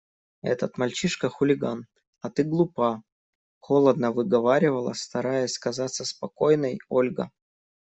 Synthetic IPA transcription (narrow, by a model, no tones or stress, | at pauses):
ɛ̰t̪ət̪mɐlʲt͡ɕiʂkəxʊlʲɪɡan | ɐt̪ɨɡlˠʊpa | xolˠəd̪nəvɨɡɐvaɾʲɪvəlˠə̰st̪ɐɾajəsʲskɐzat̪sːəspɐkojnəjolʲɡə̰